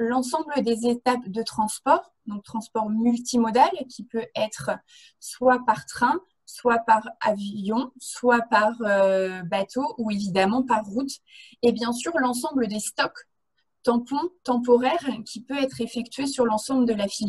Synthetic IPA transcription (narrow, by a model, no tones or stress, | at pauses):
lɑ̃s̬ɑ̃bləd̪ezet̪apd̪ət̪χɑ̃spɔʁ | d̪ɔ̃k̚t̪χɑ̃spɔʁmylt̪imɔd̪alkʲipøɛt̪χ | swapaʁt̪χɛ̃ | swapaʁavjɔ̃swapaʁøbat̪oʔuevid̪amɑ̃paʁːut̪ɛbjɛ̃syʁlɑ̃s̬ɑ̃bləd̪est̪ɔk | t̪ɑ̃pɔ̃t̪ɑ̃p̬ɔʁɛʁkʲʰipøɛt̪χefɛk̚t̪ɥesyʁlɑ̃sɑ̃bləd̪əlafilj